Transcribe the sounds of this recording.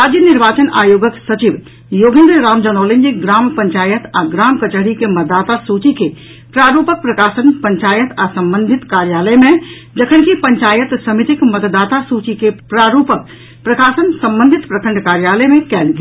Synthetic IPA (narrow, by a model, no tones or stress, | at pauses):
aːd͡ʒjənɪɾʋaːt͡ʃəna̰ːjoːɡəksɐt͡ʃiʋ | joːɡɪ̃nd̪ɾɾaːmd͡ʒənoːlɪnd͡ʒiɡɾaːmpə̃ɲt͡ʃaːjət̪aɡɾaːmkət͡ʃəɽikemət̪̚d̪aːt̪asuːt͡ʃike | pɾaːɾuːpək̚pɾɐkaːsənpə̃ɲt͡ʃaːjət̪asɐ̃mbə̃nd̪ʱɪt̪kaːɾjaːləemẽ | d͡ʒəkʰənkipə̃ɲt͡ʃaːjət̪səmit̪ɪkmət̪d̪aːt̪asuːt͡ʃikepɾaːɾuːpək̚ | pɾɐkaːsənsɐ̃mbə̃nd̪ʱɪt̪pɾɐkʰə̃ɳɖkaːɾjaːləemẽkɛːlɡe